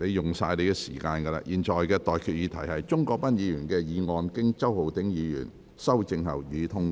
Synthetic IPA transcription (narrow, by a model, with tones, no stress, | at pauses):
ne˨˧jjʊ˨ŋsaː˧jle˨˧jkɛː˧siː˨˩kaː˧nkɐ˧la̰ː˧ʔjiː˨nt͡ʃɔː˨jkɛː˧t̪ɔː˨jkʰyː˨˧t̚jiː˨˧˥t̪ʰɐ˨˩jhɐ˨jt͡ʃʊ˥ŋkɔː˧k̚pɐ˥njiː˨˧jyː˨˩nkɛː˧jiː˨˧ŋɔː˧nkɪ˥ŋt͡sɐ˥who˨wt̪ɪ˨˥ŋjiː˨˧jy̰ː˨˩n | sɐ˥wt͡sɪ˧ŋɦɐ̰˨˩wjyː˨˧t̪ʰʊ˥ŋ